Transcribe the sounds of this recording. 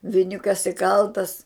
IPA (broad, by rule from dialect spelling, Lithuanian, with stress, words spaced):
ʋʲɪˈnʲʊkɐs ɪˈkɐlˠtɐs